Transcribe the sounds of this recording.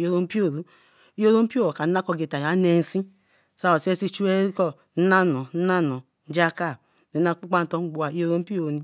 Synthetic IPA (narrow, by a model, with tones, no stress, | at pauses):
o˦ɾo˦m̩˦pi˦o˦˨ɾu˦ | i˦o˦ɾo˦m̩˦pi˦o˦o˨ka˨n̩˦na˦kɔ˨ɡe˨ta˨ja˨˦ne˨n̩˦si˦ | sa˦o˨se˦si˦t͡ʃu˦e˦ɾi˦kɔ˦ | n̩˦na˦nɔ˨n̩˦na˦nɔ˨ | n̩˦d͡ʒa˦ka˦˨ | ni˨˦na˦k͡pu˦k͡pa˦n̩˨tɔ˦ŋ͡m̩˦ɡ͡bo˦a˨i˦o˦ɾo˦m̩˦pi˦o˦˨˦